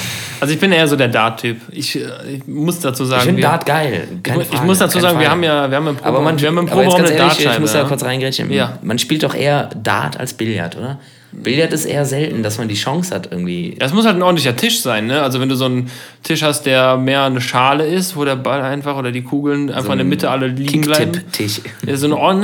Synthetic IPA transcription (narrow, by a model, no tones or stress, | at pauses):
ʔalzoɪçb̥ɪnjaʔeːɐzoːdeːɐdaːɐtʰːyːpʔɪç | ɪçmʊsd̥at͡suːzaːɡŋfɪndaːtɡ̥aɪlkaɪçmʊsd̥at͡suːzaːɡŋviɐhaːmjaːviɐhabmpʁ̥oːbɐmanviːɐhamɪmpʁḁʁoːbəaamnəːdaːamʊsjakʊɐt͡sʁaɪŋɡʁeçə̰jaːmanʃpiːltd̥ɔχʔḛːɐda̰ːtʰa̰lsb̥ɪlja̰tʔo̰ːdɐ | b̥ɪljatɪstʔḛːɐzɛltn̩dasmandiːʃɔŋsha̰tʔɪɐɡŋ̩tv̥ḭːaɛs̬mʊshaltn̩ʔɔːdntlɪçɐtʰɪʃz̥aɪnːəalzovɛnduːzoːn | tʰɪʃhast̚d̥eːɐmeːɐnəʃaːləɪstvoːɾeːɐbalaɪnfaχʔoːdɐdiːkʰuːɡl̩nʔa̰ɪnfaχɪndeɐmɪtʰəʔaləliːŋ̩blaɪɪm̩tʰɪʃɛsszoːnʔɔɐn